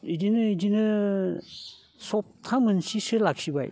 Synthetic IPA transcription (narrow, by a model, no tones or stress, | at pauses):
idinɯidinɯ | sɔp̚tʰamɯnsisɯlaksiba̰j